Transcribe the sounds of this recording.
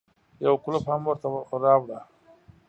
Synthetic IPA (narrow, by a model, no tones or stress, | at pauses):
jawkʊlaphamwaɾt̪aɾaːwɽa